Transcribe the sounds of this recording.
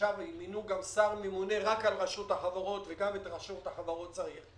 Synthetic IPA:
aʁiminuɡamsaʁmemune̞ʁakalʁaʃuthaχavaʁo̞t̪veɡamet̪ʁaʃut̪haχavaʁo̞t̚t͡saʁiχ

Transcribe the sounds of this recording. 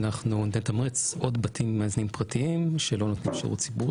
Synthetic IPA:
naχnund̪ent̪amʁet͡sod̪batʰimːaaznimpʁatiimʃelo̞not̪nimʃa̰ṵtt͡sibuʁ

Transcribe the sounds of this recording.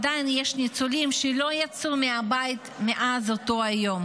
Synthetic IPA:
d̪ajinjeʃnit͡sulimʃelo̞jat͡sumeabait̪meʔazot̪o̞ajo̞m

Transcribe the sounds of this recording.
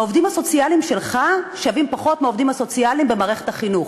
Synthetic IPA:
ovd̪imaso̞t͡sialimʃelχaʃavimpaχo̞tmaovd̪imaso̞t͡sialimbemaːʁe̞χet̪aχinuχ

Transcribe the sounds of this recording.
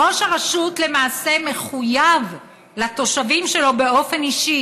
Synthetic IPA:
o̞ʃaʁaʃutle̞maːse̞me̞χujav | lat̪o̞ʃavimʃe̞lo̞be̞o̞fe̞niʃi

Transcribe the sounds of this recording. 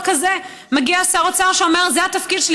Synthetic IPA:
kaze | meɡiasaʁot͡saʁʃeo̞me̞ʁzeat̪afkid̪ʃel

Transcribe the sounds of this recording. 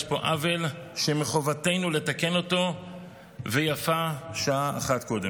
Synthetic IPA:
ʃpo̞ʔave̞l | ʃemeχo̞vate̞jnule̞take̞no̞to̞ | ve̞jafaʃaaːχatko̞de

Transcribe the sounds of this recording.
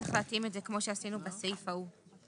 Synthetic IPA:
eχlatimetze̞kmo̞ʃeasinubasejfau

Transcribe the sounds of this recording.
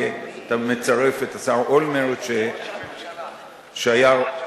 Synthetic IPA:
et̪amet͡saʁefet̪asaʁʔolmeʁetʃe | ʃeaja

